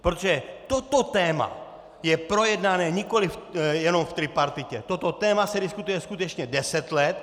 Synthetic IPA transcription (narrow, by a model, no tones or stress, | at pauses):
pɾot̪oʒɛt̪o̞t̪o̞t̪ɛːma̰ | jɛpɾo̞jɛdnanɛːɲɪko̞lɪfjɛno̞mft̪ɾɪpaɾt̪ɪcɛt̪ot̪o̞t̪ɛːmasɛdɪskut̪ujɛskut̪ɛt͡ʃɲɛdɛsɛt̪lɛt̪